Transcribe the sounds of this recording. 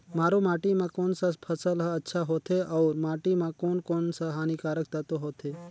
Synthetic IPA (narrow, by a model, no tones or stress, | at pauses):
maːɾomaːʈimãkoːnsapʰəsəlɦətːʃʰaɦoːt̪ʰeʔɐʊɾmaːʈimãkoːnkoːnsaɦaːnikaːɾək̚t̪at̪oɦoːt̪ʰe